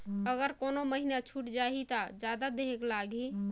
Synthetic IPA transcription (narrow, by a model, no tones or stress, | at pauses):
əɡəɾkonoməɦinat͡ʃʰuʈd͡ʒaɦit̪ad͡ʒad̪ad̪eɦeklaɡi